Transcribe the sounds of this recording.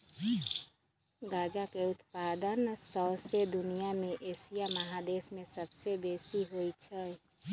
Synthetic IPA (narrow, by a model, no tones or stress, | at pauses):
ɡaːd͡ʒakeʊt̪paːd̪ənsɔʊsed̪ʊnijamẽʔeːsijaməɦad̪eːsmẽsəbsebeːsiɦoit͡ʃʰɛ